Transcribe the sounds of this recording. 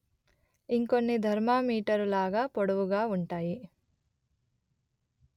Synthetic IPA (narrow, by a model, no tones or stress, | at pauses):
iŋkonːid̪ʱɐɾmaːmiːʈɐɾulaːɡaːpoɽɐʋuɡaːuɳʈaːji